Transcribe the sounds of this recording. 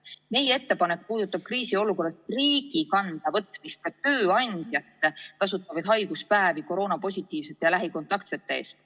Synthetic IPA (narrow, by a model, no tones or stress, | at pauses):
me̞jee̞t̪ːe̞pɑne̞k̚ːpuːd̪̥ut̪ːˑɑb̥̚kriːsio̞luko̞rest̪riːɡ̥ikɑnd̪̥ɑvɤt̪mist̪̚kɑt̪ø̞ːɑnd̪̥jɑt̪ːˑekɑs̬ut̪ːˑɑvɑd̪̥ɦɑjɡ̥uspæeviko̞ɾo̞ːnɑpo̞sʲit̪ːˑiːv̥set̪ːˑejɑlæɦiko̞nt̪ɑkt̪set̪ːˑe̞e̞̰ːst̪